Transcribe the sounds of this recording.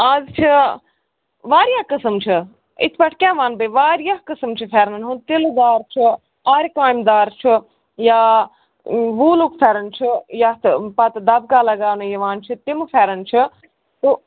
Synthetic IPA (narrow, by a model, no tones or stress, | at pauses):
aːzt͡ʃʰi | ʋaːɾjaːkəsəmt͡ʃʰi | ḭt̪ʰbɐʈʰkʲãːʋaːnbəʋaːɾijakəsəmt͡ʃʰifʰɛːɾnɐnɦũt̪ild̪aːɾt͡ʃʰi | aːɾʲkaːjmd̪aːɾt͡ʃʰi | ja | ʋuːluːkfʰɛːɾɐnt͡ʃʰijat̪pɐt̪d̪ɐb̚kaːlɐɡaːnɨjiʋaːnt͡ʃʰit̪imfʰɛːɾɐnt͡ʃʰi | t̪u